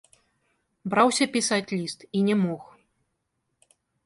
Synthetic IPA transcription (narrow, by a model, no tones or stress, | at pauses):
bɾawsʲɐpʲisat͡sʲlʲist̪inʲɛmɔx